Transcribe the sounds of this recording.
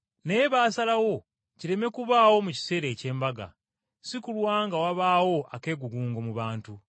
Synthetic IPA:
neβaːsalawo̞ | ciɾe̞me̞kuβaːwo̞muci̥se̞ːɾe̞ːce̞ːmbaɡa̰ | sikulwaːŋɡawaβaːwo̞ʔake̞ːɡuɡuːŋɡo̞muβaːntu

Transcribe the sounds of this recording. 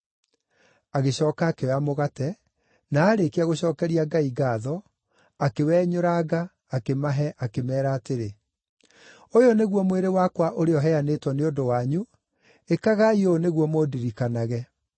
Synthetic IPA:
aɣeɕɔːkaːkewamoɣatɛ | naːɾekeaɣoɕɔːkɛɾiaɡaiɡaːðɔ | akewɛːɲoɾaɡaː | kemaɦɛʔakemɛːɾaːteɾe | ojoneɣwɔmweɾewakwaʔoɾeɔɦɛanetwɔneondowaɲu | ekaɣaioneɣwɔmodiɾikanaɣɛ

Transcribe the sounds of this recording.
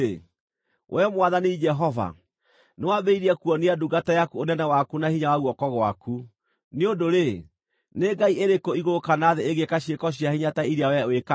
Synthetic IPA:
wʔɛmwaðaneid͡ʒɛɦɔva̰ | newabeiɾiakuɔniaduɡatajakuonɛnɛwakunahiɲawaɣwɔkɔɣwakʰu | neodoɾe | neɡaieɾekoiɣokanaðeeɣekaɕiekɔɕ̬iahiɲataiɾeawɛeka

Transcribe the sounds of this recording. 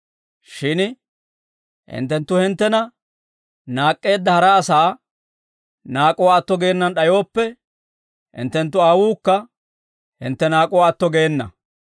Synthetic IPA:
ʃɪn | hɪ̰nt̪ːɛnt̪ːʊhɪnt̪ːɛnɐ | naːkʼːe̞ːd̪ːɐhɐɾɐːsaː | naːkʼɔwaːt̪ːɔɡeːnːɐnɗɐjo̞ːpːɛ | hɪ̰nt̪ːɛnt̪̬ːʊaːwuːkːɐ | hɪ̰nt̪ːɛnaːkʼɔwaːt̪ːɔɡe̞ːnːɐ̰

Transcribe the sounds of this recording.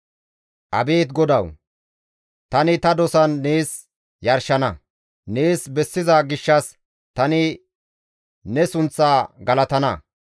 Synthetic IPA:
ʔɐbeːt̪ɡɔd̪ɐw | t̪ɐnɪt̪ɐd̪ɔsɐnːeːs | jɐɾʃɐnɐ | ne̞ːsbɛsːɪzɐɡɪʃːɐs | t̪ɐnɪ | nɛsʊnt͡sːaːɡɐlɐt̪ɐnɐ

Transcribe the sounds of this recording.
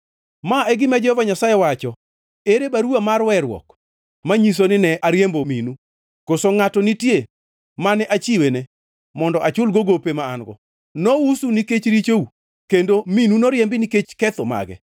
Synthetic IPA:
maɛɡɪmad͡ʒɔhɔvaɲasajewat͡ʃɔ | eɾebaɾuamarwɛɾwɔ̰k | maɲis̬onɪnɛʔaɾjembominu | kosoŋatɔnitje | manɛʔat͡ʃiwene | mɔndɔʔat͡ʃʊlɡoɡopemaːnɡɔ̰ | nɔusuniket͡ʃɾit͡ʃou | kendominunoɾjɛmbɪniket͡ʃkɛt̪oma̰ɡɛ̰

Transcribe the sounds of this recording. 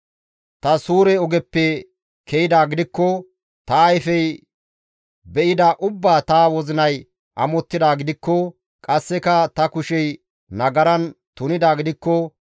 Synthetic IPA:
t̪ɐsuːɾɛɔɡɛpːɛ | kʰɛjɪd̪aːɡɪd̪ɪkːɔ | t̪ɐːjfɛj | bɛʔɪd̪aːʔʊbːaːt̪aːwɔzɪnɐj | ʔɐmɔt̪ːɪd̪aːɡɪd̪ɪkːɔ | kʼɐsːɛkɐt̪ɐkʊʃɛj | nɐɡɐɾɐnt̪ʊnɪd̪aːɡɪd̪ɪkːɔ

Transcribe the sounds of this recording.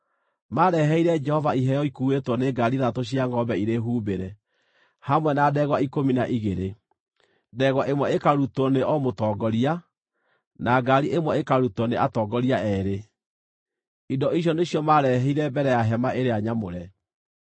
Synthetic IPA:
maːɾɛɦɛiɾɛd͡ʒɛhɔvaiɦɛjɔikuetwɔneɡaɾiðatoɕ̬iaŋɡɔbɛiɾeɦuːbeɾɛ | hamwɛnadɛɣwaikominaʔiɣeɾe | dɛɣwaʔemwɛekaɾutɔneɔmotɔːɡɔɾia | naɡaɾiʔemwɛekaɾutɔneʔatɔːɡɔɾiaʔɛːɾe | idɔiɕ̬jɔneɕjɔmaɾɛɦɛiɾɛbɛɾɛjaɦɛmaʔeɾeaɲamoɾɛ

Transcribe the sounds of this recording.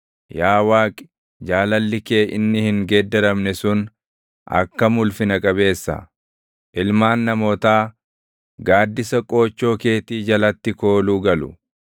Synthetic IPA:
jaːwaːkʼɪ̥ | d͡ʒaːlɐlːɪke̞ːʔɪnːɪhɪŋɡɛd̪ːɛɾɐmnɛsʊn | ʔɐ̰kːɐmʊlfɪnɐkʼɐbe̞ːsːɐ̰ | ʔɪlmaːnːɐmo̞ːt̪aː | ɡaːd̪ːɪsɐkʼo̞ːt͡ʃːo̞ːke̞ːt̪iːd͡ʒɐlɐt̪ːɪko̞ːluːɡɐlʊ̰

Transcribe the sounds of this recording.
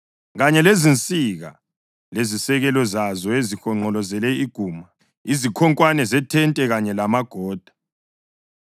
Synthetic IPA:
ɣaɲɛlezint͡sʼiɣa̰ | lezisɛɣɛlɔzazɔezixɔŋ͡ǃɔlɔzɛlɛiɡ̥ʱuːma | izikʰɔŋkʼwanɛzɛtʰɛntʼɛɣaɲɛlamaɡ̥ʱɔːd̥ʱḁ

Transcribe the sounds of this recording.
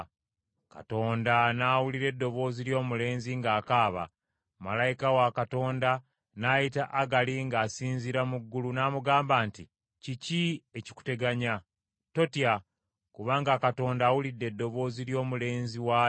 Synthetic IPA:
ka̰to̞ːndanaːwuliɾe̞dːo̞βo̞ːziljo̞ːmule̞ːnziŋɡaːkaːβa̰ | malajikawakato̞ːnda | naːjitaʔaɡaliŋɡaːsiːnziɾamuɡːulunaːmuɡaːmbaːnti | cicieci̥ku̥te̞ɡaɲa | to̞tja | kuβaːŋɡakato̞ːndaːwulidːe̞dːo̞βo̞ːziljo̞ːmule̞ːnziwa

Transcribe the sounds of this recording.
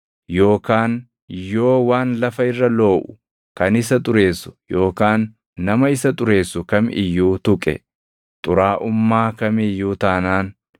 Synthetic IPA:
jo̞ːkaːn | jo̞ːwaːnlɐfɐɪrːɐlo̞ːʔʊ̥ | kɐnɪsɐt̪ʼʊɾe̞ːsːʊ̥jo̞ːkaːnː | ɐmɐɪsɐt̪ʼʊɾe̞ːsːʊkɐmɪjːuːt̪ʊkʼɛ̰ | t̪ʼʊɾaːʔʊmːaːkɐmɪjːuːt̪aːnaːn

